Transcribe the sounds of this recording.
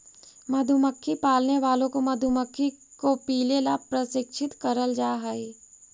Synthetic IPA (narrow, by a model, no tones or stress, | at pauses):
mɐd̪ʱuməkʰːipaːlneʋaːlõkomɐd̪ʱuməkʰːikopiːlelapɾɐsɪkʃʰɪt̪kəɾəld͡ʒaːɦaːi